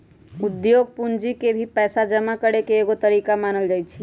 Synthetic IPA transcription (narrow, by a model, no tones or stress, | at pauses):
ud̪joɡ̚pund͡ʒikebʱipɛːsad͡ʒəmakəɽekeːɡot̪əɾikamaːnəld͡ʒajt͡ʃʰi